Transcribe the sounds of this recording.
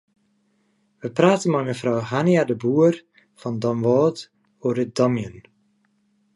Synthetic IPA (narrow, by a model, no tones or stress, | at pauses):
ʋəpraːtənmɛjməfrɔwhanjadəbuər | fɔndɔmʋɔːt | oːɾəd̥ɔmjən